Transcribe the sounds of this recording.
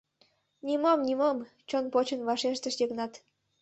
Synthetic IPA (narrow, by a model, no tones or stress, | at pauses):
nʲimomnʲimom | t͡ɕonpot͡ɕənβɑʃeʃt̪ə̆ʃjə̆knɑt̪